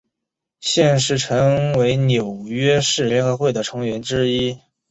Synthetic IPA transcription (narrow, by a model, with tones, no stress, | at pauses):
ɕjɛ˥˧nʂɻ̩˥˩ʈ͡ʂʰɤ˧˥ŋwe˧˥ɪnjo˨˩ʊɥɛ˥ʂɻ̩˥˩ljɛ˧˥na˧˥xwe˥˩ɪd̪ə˩ʈ͡ʂʰɤ˧˥ŋɥɛ˧˥nʈ͡ʂɻ̩˥i˥